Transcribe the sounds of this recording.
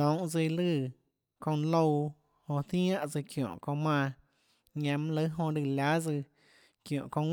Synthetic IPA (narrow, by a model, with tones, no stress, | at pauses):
ɔ̃˨˦wʔd͡zi˧lɨ˧˨ | kõ˧n˧lo˦˧w | hõ˧θj̃ã˦˧ʔt͡sɨ˧kjõ̰˨ʔkõ˧mãː˧ | ɲã˧mã˧lə˧˦ɦõ˧ɾi˧˨lʲa˦d͡zɨ˧ | kjõ̰˨ʔkõ˧ŋ